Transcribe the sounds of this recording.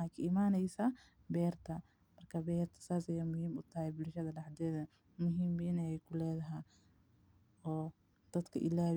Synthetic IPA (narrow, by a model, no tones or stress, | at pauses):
akʰɐɪmaːnɛjsa | bɛːrt̪ʰɐ | mɐrkʰɐbɛːrt̪ʰɐ̥saːsɐjaːmʊhiːmʊt̪ʰɐhɛbɪlʃɐðɐɖɑħd̪ɛːðɐ | mʊɦiːmbɪnɐɛjkʰʊlɛːðɐɦɛ | ɔː | d̪̥ɐd̪kʰɐʔɪlaː